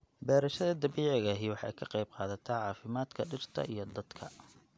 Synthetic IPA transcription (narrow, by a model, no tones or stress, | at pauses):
bɛːɾɐʃɐðɐd̪ɐβiːʕɪɣɐɦiwɑħɑ̰jkʰɐqɑjb̚qɑːðɐt̪ʰaːʕɑːfɪmaːd̪kʰɐɖɪrt̪ʰɐ̰ʔijɞd̪ɐd̪̥kʰɐ̰